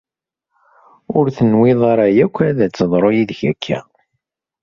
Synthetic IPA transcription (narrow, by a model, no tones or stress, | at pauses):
ʊɾθənwɪðˤaɾajækʷːæðæt͡sːəðˤɾˤojiðçækʰːæ̰